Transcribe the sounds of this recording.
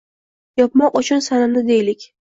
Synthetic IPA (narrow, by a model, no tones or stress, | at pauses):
jɒp̚mɒqʊt͡ʃʰʊnsanɪmd̪ɪd̪ejlɪkʲ